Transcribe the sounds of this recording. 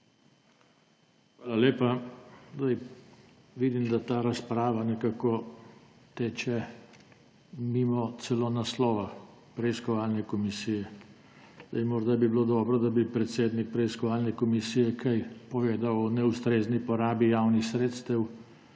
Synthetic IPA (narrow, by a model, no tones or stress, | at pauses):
xʋalaleːpazd̪aj | ʋid̪imd̪at̪aːɾaspɾaːʋanɛkaːkɔ | t̪eːt͡ʃɛ | mimɔt̪sɛlonaslɔːʋa | pɾɛiskɔʋaːlnɛkɔmisijɛ | zd̪ajmɔɾd̪abibilod̪ɔːbɾɔd̪abipɾɛt̪seːd̪nik̚pɾɛiskɔʋaːlnɛkɔmisijɛkʰajpɔʋeːd̪awɔnɛust̪ɾeːznipɔɾaːbijawnixsɾeːt̪st̪ɛw